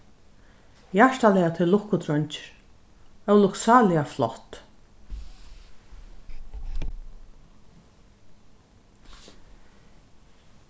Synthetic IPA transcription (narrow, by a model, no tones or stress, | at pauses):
jaʂt̪alɛːat̪ʰɪllːʊkːʊt̪ɾɔɲt͡ʃɪɾ | œwlʊksaːlɪaflɔht̪